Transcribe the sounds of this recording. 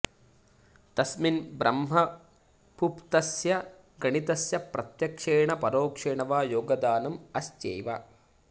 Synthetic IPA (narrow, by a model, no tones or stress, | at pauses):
t̪ɐsminbɾɐmɦɐ | pʰupt̪ɐsjɐ | ɡɐɳit̪ɐsjɐpɾɐt̪jɐkʂeːɳɐpɐɾoːkʂeːɳɐʋaːjoːɡɐd̪aːnɐmɐst͡ʃḛːʋɐ